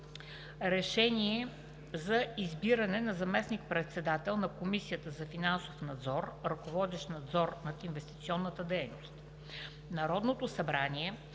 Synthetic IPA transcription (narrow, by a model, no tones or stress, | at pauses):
ɾɛʃɛniɛ | zɐizbiɾənɛnɐzɐmɛsnik̚pɾɛt̪sɛd̪at̪ɛlˠnɐkomisijət̪əzɐfinansofnɐd̪zɔɾɾɐkovɔd̪ɛʃt̪nɐd̪zɔɾnɐt̪invɛst̪i̥t̪siɔnːət̪əd̪ɛjnost̪ | nɐɾɔd̪not̪osɐbɾanʲiɛ